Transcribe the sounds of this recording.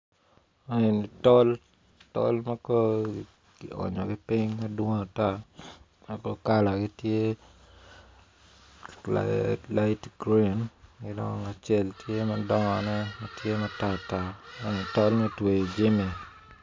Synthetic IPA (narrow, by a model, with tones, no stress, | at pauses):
a˦e˨nɪtɔ˦l | tɔ̰˦lmako˦˨ | ɔ̰˨ɲɔ˨ɡɪpɪɲmadwo˦ŋa˨ta˦ | mako˦ka˦la˨ɡi˦tje˦ | latɡɾinkɪdɔ̰ŋa˨t͡ʃɛ˦ltje˦madɔŋɔnɛ˦matje˦mata˦ta˦ɲi˨tɔ˦lmɛ˦twe˨d͡ʒi˦mi˨